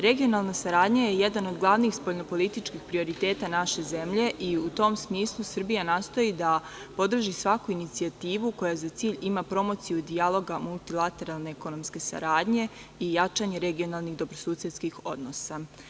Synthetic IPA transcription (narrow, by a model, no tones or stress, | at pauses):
ɾe̞ɡio̞nalˠnasaɾaːd̪ɲajeje̞d̪ano̞d̪ɡlˠaʋnixspo̞ʎnopo̞lit̪it͡ʃkixpɾio̞ɾit̪e̞ːt̪anaʃe̞ze̞mʎe̞ʔiut̪o̞msmiːslˠusr̩bijanaːst̪o̞id̪apo̞d̪r̩ʒisʋakuinit̪siat̪iːʋuko̞jazat̪iːʎimapɾo̞mo̞t̪sijud̪ialˠo̞ɡamulˠt̪ilˠat̪e̞ɾalˠne̞eko̞no̞mske̞sa̰ɾaːd̪ɲe̞ | ijat͡ʃaɲe̞ɾe̞ɡio̞nalˠniɣd̪o̞bɾosuːsjet̪skixo̞d̪no̞sa